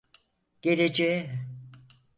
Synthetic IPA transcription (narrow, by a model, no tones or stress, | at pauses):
ɟ̥eɾed͡ʒeim